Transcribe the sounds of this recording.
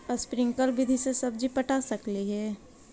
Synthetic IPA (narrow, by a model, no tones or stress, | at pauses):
spɾɪ̃ŋkəlbɪd̪ʱisesəbd͡ʒʱipəʈasəkliɦɛː